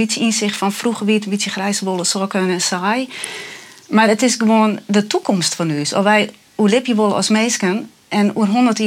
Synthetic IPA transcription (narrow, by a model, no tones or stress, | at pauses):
isjəinsɪxtfɔnfruxəʋitənbitsjəxrɛjsəʋolˠəsɔːkənɛnsaj | marətɪsɡəʋoːəndətʰukʰɔmstfɔnyːsɔ̰ʋɛj | uəlɪpjəʋolˠəɔ̰smeːskən | ʔɛnuərɦondərti